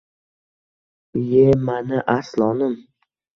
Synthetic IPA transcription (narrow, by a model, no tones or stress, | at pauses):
jemanɪʔaslˠɒnɪm